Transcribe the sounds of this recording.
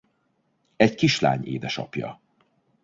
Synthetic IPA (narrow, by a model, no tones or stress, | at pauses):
ɛckiʃla̰ːɲeːd̪ɛʃɒ̰pjɒ̰